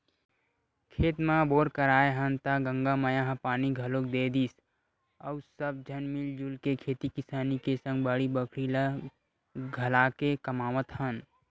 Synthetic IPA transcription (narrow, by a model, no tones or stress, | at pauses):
kʰeːt̪mãboːɾkəɾaːeɦənt̪aɡə̃ŋɡaməjãɦpaːniɡʱəlok̚d̪eːd̪iːs | əʊsəb̚d͡ʒʱənmɪld͡ʒulkekʰeːt̪ikɪsaːnikesə̃ŋɡbaːɽibəkʰɽila | ɡʱəlaːkekəmaːmət̪hən